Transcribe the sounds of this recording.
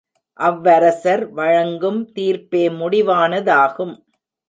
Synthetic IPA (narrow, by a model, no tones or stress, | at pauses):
ʔɐʋːɐɾɐsɐɾʋɐɻɐŋɡɯmt̪iːɾpeːmʊɽɪʋaːnɐðaːɣɯm